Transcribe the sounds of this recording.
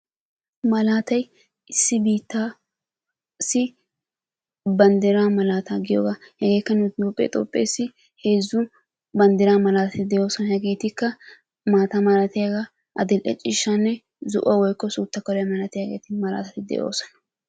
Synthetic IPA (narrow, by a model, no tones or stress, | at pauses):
mɐlaːt̪ɐj | ɪsːɪbiːt̪ːa | sɪ | bɐnd̪ɪɾaːmɐlaːt̪aɡɪjo̰ːɡahɛɡe̞ːkːɐnʊjoːpʼːɛ̰t̪ʼo̰ːpʼːḛsːɪ | he̞ːzːʊ | bɐnd̪ɪɾaːmɐlaːt̪ɐt̪ɪd̪ɛjo̞ːsɔnɐhɛɡe̞ːt̪ɪkːɐ | maːt̪ɐmɐlɐt̪ɪjaɡa | ʔɐd̪ɪlʔɛ̰t͡ʃʼɪʃːanːɛ | zʊʔɐwɔjkːɔsuːt̪ːɐkɔlɐmɐlɐt̪ɪjaɡḛːt̪ɪmɐla̰ːt̪ɐt̪ɪd̪ɛ̰jʔo̞̰ːsɔnɐ̥